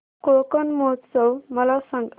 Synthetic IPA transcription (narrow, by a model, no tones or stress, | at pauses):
kokənmot̪səwməlasãŋɡ